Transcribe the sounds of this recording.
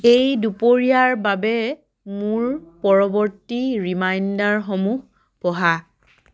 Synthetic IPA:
ejdupoɹijaɹbabɛ | muɹpɔɹɔbɔɹtiɹimajndaɹxɔmux | pɔɦa

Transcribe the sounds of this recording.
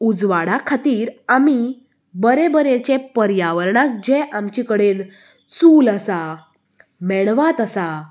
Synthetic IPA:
ud͡zʋaɽakʰat̪iːɾami | bəɾebəɾet͡ɕepəɾjaʋəɾɳãk̚d͡ʑeʔamt͡ɕikəɽen | t͡suːləsa | mɛɭʋat̪əsa

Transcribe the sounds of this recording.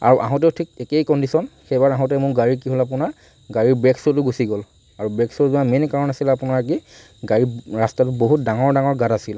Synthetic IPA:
a̰ɹuʔa̰ɦɔ̃tɛʊtʰik̚ekejkɔndisɔnxejbaɹaɦɔ̃t̬ɛmʊɹɡaɹik̬iɦolap̬ʊnaɹ | ɡaɹiɹbɹɛksɔtʊɡusiɡɔl | aɹubɹɛksɔɹzʊamenkaɹɔnasilapʊnaɹk̬i | ɡaɹiɹastatʊboɦut̚daŋɔɹdaŋɔɹɡatasil

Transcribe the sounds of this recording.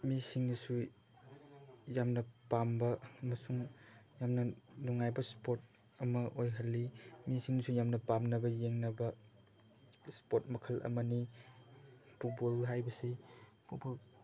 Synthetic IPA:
misiŋnisu | jamnɐpambɐːmɐsuŋjamnɐnuŋajbɐspot̚ | ɐmɐʔojɦɐlːimisiŋnisujamnɐpamnɐbɐjeŋnɐbɐ | spotmɐkʰɐlʔɐ̰mɐni | put̚bolɦajbɐsi | pʰubol

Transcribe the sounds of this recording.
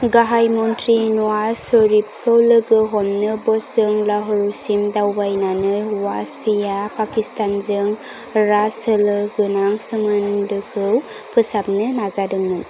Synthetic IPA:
ɡaɦajmɔntɾinɔwasɔɾip̚kʰəwlɯɡɯɦɔmnɯbɔsɯŋlaɦɯɾusimdawbajnanɯjwaspʰijapakistanzɯŋ | ɾasɯlɯɡɯnaŋsɯŋandɯkʰɯw | kɯsapnɯnazadɯŋɯn

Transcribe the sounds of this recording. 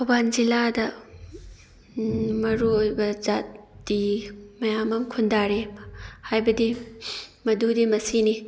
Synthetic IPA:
tʰobanziladɐ | mɐɾuojbɐzatdimɐjamɐmkʰundaɾehajbɐdi | mɐdudimɐsini

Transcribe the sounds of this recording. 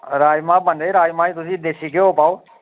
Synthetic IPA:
ɾaːjmãːbəneːɾaːjmãːiːt̪ʊsĩːd̪eːsiːkeoːpaːoː

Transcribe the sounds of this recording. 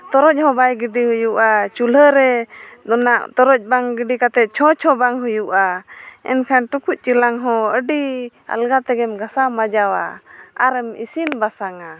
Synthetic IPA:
t̪ɔɾɔc̚ˀhɔ̃bajɡiɖihujuʔat͡ʃuləɾɛd̪ɔnaʔt̪ɔɾɔc̚ˀbaŋɡiɖikat̪ɛt̪̚t͡ʃʰɔt͡ʃʰɔbaŋɦujuʔaɛ̰nkʰanʈukuc̚ˀt͡ʃilaŋɦɔ̃əɖi | a̰lɡat̪ɛɡɛmɡasamad͡ʒawa̰aɾɛmḭsinbasaŋa

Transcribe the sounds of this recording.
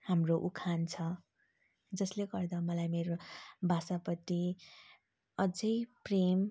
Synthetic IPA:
hamroʔukʰant͡sʰʌ | d͡zʌsleɡʌrd̪amʌlajmeɾobʱasapʌt̪ːi | ʌd͡zʌjprem

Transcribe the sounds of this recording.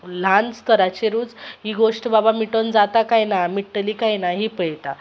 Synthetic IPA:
l̤anst̪ʰəɾat͡ɕeɾuːd͡zɦiɡoʂʈbabamiʈənd͡zat̪akajnamiʈːliːkajnaɦipəjt̪a

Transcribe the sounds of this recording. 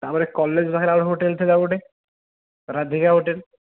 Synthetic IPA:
t̪aɾpɔɾekɔlːed͡ʑbʱakʰeɾaɔɽɦoʈelt̪ʰilaboʈe | ɾad̪ʱikaɦoʈel

